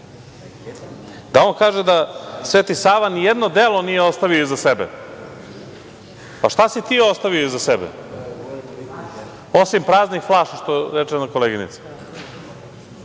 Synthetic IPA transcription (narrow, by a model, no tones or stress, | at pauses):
d̪ao̞nkaːʒed̪asʋeːt̪isaːʋanijed̪no̞d̪elˠo̞nijeo̞st̪aʋioizasebɛ̰ | paʃt̪asit̪iːo̞st̪aʋioizasebɛ̰ | o̞simpɾaːznixflˠaːʃaʃt̪oɾet͡ʃenako̞leɡinḭt̪si̥